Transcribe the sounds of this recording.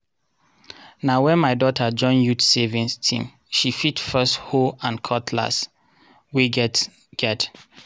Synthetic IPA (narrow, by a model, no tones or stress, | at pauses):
nawɛ̃nmaɪdɔtʰəd͡ʒɔ̃njutsevĩnstʰḭ̃m | ʃifitfɜsthoãnkʰɔtʰla̰s | wiɡɛ | ɡ̥ɛt